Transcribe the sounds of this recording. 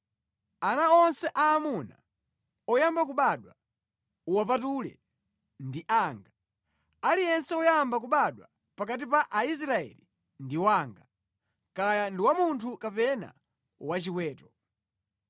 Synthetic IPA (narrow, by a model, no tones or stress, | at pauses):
anaɔnsɛʔaːmuna̰ | ɔjambakuɓaɗwa | uwap̬atulɛ̰ | ndiʔaːŋɡa | alijɛnsɛɔjambak̬uɓaɗwa | pakatipaʔais̬ɾaɛ̰li | ndiwaːŋɡa | kajandiwamuntʰukapɛna̰ | wat͡ʃikwɛːtɔ